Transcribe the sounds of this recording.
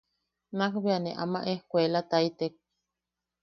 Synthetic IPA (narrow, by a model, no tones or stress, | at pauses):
nakbeaneʔa̰ma̰ʔehkʷelat̪ait̪ek̚